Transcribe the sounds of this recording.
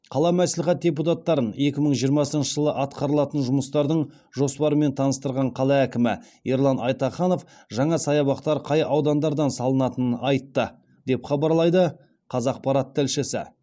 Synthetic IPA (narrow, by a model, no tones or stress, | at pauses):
qʰɑlˠɑmæslɪχæt̪̚dʲe̞put̪ɑt̪ːɑɾəne̞kʲɪməɴʒijəɾmɑsənʃəʒəlˠəʔɑt̪̚qɑɾəlˠɑt̪ənʒʊməst̪ɑɾd̪əɴ | ʒo̞spɑɾəme̞nt̪ʰɑnəst̪əɾʁɑɴqʰɑlˠɑækʲɪmɪ | jeɾlˠɑnɑjt̪ɑχɑno̞f | ʒɑɴɑsɑjɑβɑqt̪ɑɾqʰɑjɑwd̪ɑnd̪ɑɾd̪ɑnsɑlˠənɑt̪ənənɑjt̪ːə | d̪e̞pχɑbɑɾlˠɑjd̪ə | qʰɑzɑq̚pɑɾɑt̪ʰːɪlʃɪsɪ̰